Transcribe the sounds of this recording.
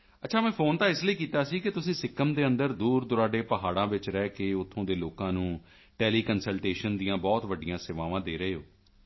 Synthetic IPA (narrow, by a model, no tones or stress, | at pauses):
ətːʃʰaːmɛ̃ːpʰoːnt̪aːɪsləiːkiːt̪aːsiːkɪt̪ʊsĩːsɪkːəmd̪eːə̃nd̪əɾd̪uːɾd̪ʊɾaːɖeːpəɦaːɽãːʋɪt͡ʃɾɛːkeːʊt̪ʰːõːd̪eːloːkãːnũː | ʈɛːliːkənsəlʈeːʃənd̪ijãːbɔːt̪ʋəɖɪjãːseːʋaːʋãːd̪eːɾəeːɦoː